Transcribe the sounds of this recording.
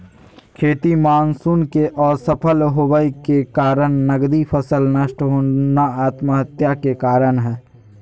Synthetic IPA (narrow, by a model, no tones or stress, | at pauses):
kʰeːt̪imaːnsuːnkeʔɔːɾsəpʰəlɦoʋəikekaːɾəɳnəɡd̪ipʰəsəlnəʃʈɦoːnaaːt̪məɦət̪jakekaːɾənɦɛː